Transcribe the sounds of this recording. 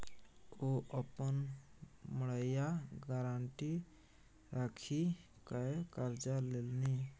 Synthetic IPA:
oʔəpən | məɭəjaɡəɾaɳʈi | ɾakʰi | kaekəɾd͡ʒalelni

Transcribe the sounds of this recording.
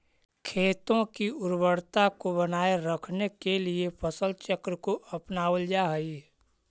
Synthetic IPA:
kʰeːt̪õkiʊɾbəɽt̪akobənaːeɾəkʰnekeliepʰəsəlt͡ʃəkɾəkoʔɐpnaːəld͡ʒaɦəi

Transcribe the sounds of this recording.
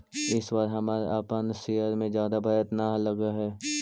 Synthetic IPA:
ɪswaːɾɦɐmaːɾḛaːpənsejəɾmẽzjaːd̪abʱɐjət̪naləɡaɦɛː

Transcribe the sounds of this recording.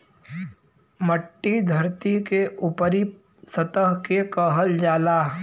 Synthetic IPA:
məʈːid̪ʱəɾt̪ikeupəɾi | sət̪əɦkekəɦəld͡ʒaːlaː

